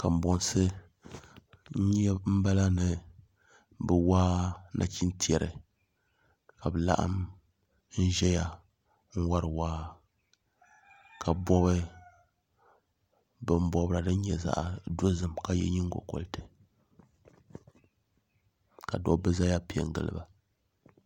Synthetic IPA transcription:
ka˨m̩˨bɔ˨nsɨ˦ | ɲ˦ɛ˦m̩˦ba˦la˦nɨ˨ | bɨ˨waː˦nʔa̰˨t͡ʃi˦nti˦ɛ˨ɾɨ̰˨ | ka˨bɨ˨la̰˦ʔa̰˦m | n̩˦ʒɛ˦ja˦ | ŋ̩˦wa˦ɾɨ˨waː˦ | ka˨bɔ˦bɨ˦ | bɨ˨m˦bɔ˦bɨ˦ɾa˨dɨ˦n̩˦ɲɛ˨za̰˦ʔdo˦zɨ˦˨mka˦jɛ̰˦ɲi˦ŋ˦ɡo̰˨kɔ̰˨ltɨ̥˨ | ka˨dɔ̰˦bɨ˦za˦ja˦pi˦ɛ̰˨ŋ˦ɡɨ̰˨lɨ̰˦ba˨

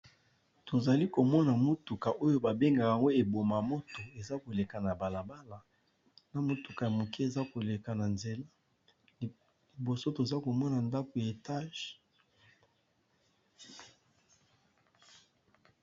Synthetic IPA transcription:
to˨za˨li˦ko˨mɔ˦na˨mo˦tu˨ka˨ʔo˦jo˦ba˨be˦ŋɡa˨a˨ŋɡo˦e˨bo˨ma˨mo˦to˨e˨za˦ko˨le˨ka˨na˨ba˨la˨ba˦la˨ | na˦mo˦tu˨ka˨ja˨mo˨ki˦e˨za˦ko˨le˨ka˨na˨nze˨la˦ | li˨bo˨so˦to˨za˦ko˨mɔ˦na˨nda˦ko˨ja˨e˨ta˦ʒ

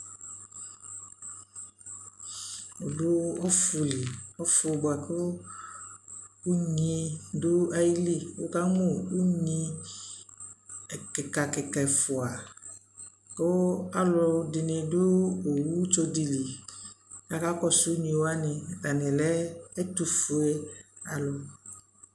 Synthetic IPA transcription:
o˨dʊ˦ɔ˦fu˨li˨ɔ˦fʊ˧˨bo˨a˨ke˦ | u˦ɲĩ˧dʊ˦a˨ji˦li˦˨wo̰˦ka˦ŋõ˦u˦ɲĩ˧˨ | kɪ˨ka˨kɪ˨kɛ˨fʊ˨a˨ | ke˦a˦lʊ˨dɪ˨nɪ̃˨dʊ˦o˨wu˦t͡ʃo˦di˨li˨˦ | ka˦ka˦kɔ˦sʊ˦u˦ɲĩ˨wo˦a˦nɪ̃˨a˨nɪ̃˨lɛ˦ɛ˦tu˨fu˨e˦a˨lʊ˨

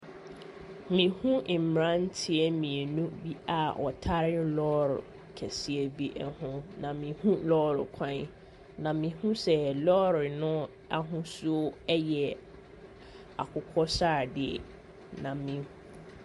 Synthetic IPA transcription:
mĩ˨hũ˦˨m̩˨ɾã˦n̩˦tʰɪ˦ɛ˨mĩ˨e˨nũ˦bi˦a˨wʔɔ̰˨tʰa˦ɾɪ˦lɔː˦ɾʊ˨ | kʰɛ˨sɪ˨e˨bi˦ʔɛ˨hʊ̃˦nã˨mĩ˨hũ˦lɔː˦ɾʊ̰˨kʷʰã˦n | nã˨mĩ˨hũ˦sɛ˨lɔ˦ɾɪ˨nʊ̃˦ | a˦˨ɦʊ̃˦su˦o˦ɛ˦jɛ˨ | a̰˨kʰʊ˨kʰɔ˦saː˦˨dɪ˨ɛ̰˨ | nã˨mĩ˨

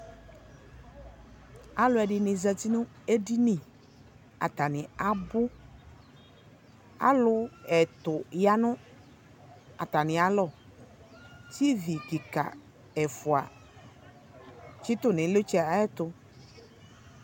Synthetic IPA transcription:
a˨lʊ˨˦ɛ˨ɖɪ˨nɪ̃˨zɛ˨t̪i˦nʊ̃˦ | e˦di˦nĩ˨ | a̰˨t̪a˨nɪ̃˨a˨bʊ˦ | a̰˦lʊ˦ɛ˨t̪ʊ˨ja˦nʊ̃˦ | a˨t̪a˨nɪ̃˨a˨lɔ˦˨ | ti˦vi˨ki˨ka̰˨ | ɛ˨fu˨a̰˨ | t͡ʃi˦t̪ʊ˦nɪ̃˨˦le˦t͡ʃi˦a˨ɛ˦t̪ʊ˦

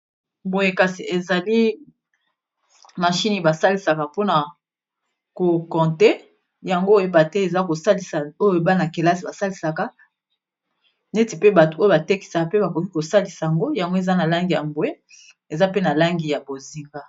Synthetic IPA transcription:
bo˨je˦ka˨si˨e˨za˨li˦ | ma˨ʃi˦ni˨ba˨sa˦li˨sa˨ka˨po˦na˨ | ko˨kɔ̃˨te˦ | ja˨ŋɡo˦je˨ba˨te˦e˨za˦ko˨sa˦li˨sa˨o˦jo˦˨˦ba˦na˨ke˨la˦si˨ba˨sa˦li˨sa˨ka˦ | ne˦ti˨pe˦ba˨to˨o˦jo˨ba˨te˦ki̥˨sa˨ka˨pe˦ba˨ko˨ki˦ko˨sa˦li˨sa˨ja˨ŋɡo˦ja˨ŋɡo˦e˨za˦na˨la˦ŋɡi˨ja̰˨mbo˨je˦ | e˨za˦pe˦na˨la˦ŋɡi˨ja˨bo˨zi˨ŋɡa˦

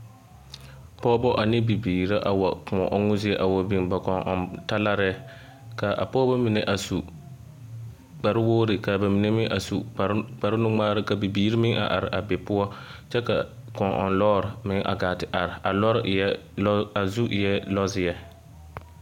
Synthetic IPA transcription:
pɔː˦bɔ˦ʔa˨nɪ˦bi˨biː˨ɾa˦ʔa˨wa˨kʊ˨mɔ̰˨ʔɔ˦ŋʊ˦zɪ˦ɛ˦ʔa˨wɔ˨bɪ˨ŋba˨kɔ˨ŋʔɔ̰˨nta˦la˦ɾɛ˦ | ka˨ʔa̰˨pɔː˦bɔ˦mi˨nɛ˨ʔa˨su˨ | ɡ͡ba˨ɾɪ˦woː˦ɾɪ˨ka˨ba˨mi˨nɛ˦mɪ˦ŋʔa˨su˨k͡pa˨ɾɪ˦nʊ˦ŋ͡maː˦ɾɪ˦ka˨bi˨biː˨ɾi˦mɪ˦ŋʔa̰˨ʔa˨ɾɪ˨ʔa˨bɛ˨pʊ˦ɔ˦t͡ʃɛ˦ka˨ | kɔ˨ʔɔ̰˨nlɔː˦ɾɪ˨mɪ˦ŋʔa̰˨ɡaː˨tɪ˨ʔa˨ɾɪ˨a˨lɔ˦ɾɛ˦a˨zu˦ʔjɛ˦lɔ˦zɪ˨jɛ˦

